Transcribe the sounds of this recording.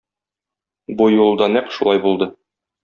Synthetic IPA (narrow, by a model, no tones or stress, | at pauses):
bujulˠd̪ɑnæqʃulˠɑjbulˠd̪ɤ